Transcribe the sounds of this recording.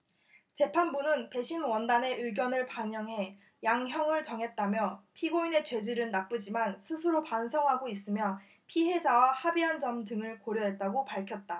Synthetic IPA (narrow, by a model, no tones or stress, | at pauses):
t͡ɕe̞pʰanbunɯnpe̞ɕʰinwʌndane̞ʔɯɭɡjʌnɯɭpaɲʌŋɦe̞ | jaŋɦjʌŋɯɭt͡ɕʌŋɦe̞t̚t͈amjʌpʰiɡoine̞t͡ɕwe̞d͡ʑiɾɯɭnap͈ɯd͡ʑimansʰɯsʰɯɾopansʰʌŋɦaɡois͈ɯmjʌ | pʰiɦe̞d͡ʑawahabiɦand͡ʑʌmdɯŋɯɭkoɾjʌɦe̞t̚t͈aɡopaɭkʰjʌt̚t͈a